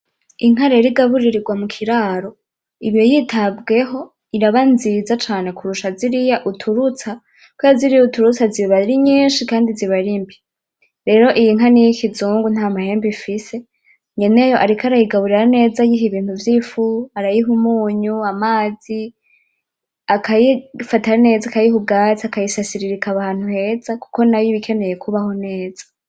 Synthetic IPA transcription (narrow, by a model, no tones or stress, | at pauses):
iŋ̥ɦaɾeɾiɡaβuɾiɾiɡwamukʰiɾaːɾo̞ | iβjo̞jiːtʰabɡe̞ɦo̞ | iɾaβanzizat͡ʃaːne̞kʰuɾuʃaziɾijaʔutʰuɾut͡sa | kwajaziɾijutuɾut͡saziβaɾiɲiːnʃikaːndiziβaɾimbi | ɾe̞ːɾo̞ʔijiŋ̥ɦanijikʰizuːŋɡun̥aːmahe̞ːmbifise̞ | ɲe̞ne̞joʔaɾikaɾajiɡaβuɾiɾane̞ːzajiɦiβiːn̥huvjifuaɾajiɦumuːɲuamaːzi | akʰajifatane̞ːzakajihub̚ɡaːt͡siakajisasiɾiɾikaβaːn̥huhe̞ːz̥aku̥ko̞najiβikʰe̞ne̞je̞kʰuβaho̞ne̞ːzḁ